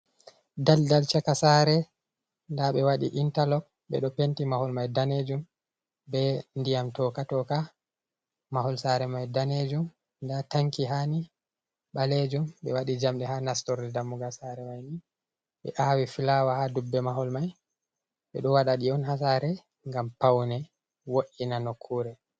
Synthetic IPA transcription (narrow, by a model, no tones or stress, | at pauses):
daldalt͡ʃakasaːɾɛ | ndaɓɛwaɗiʔintalɔk̚ | ɓɛ̰ɗɔpentimahɔlmajdaned͡ʒum | bɛndijamtɔkatɔka | maɦɔlsaɾɛmajdaned͡ʒum | ndataŋkiɦani | ɓaled͡ʒumɓɛwaɗid͡ʒamɗɛhanastɔɾdɛdamːuɡasaɾɛmajni | ɓɛ̰ʔaːwifilawahadubːɛmaɦɔlmaj | ɓɛ̰ɗɔwaɗaɗiɔnhas̬aɾɛ | ŋɡampawnɛ | woʔinanokʰːuɾɛ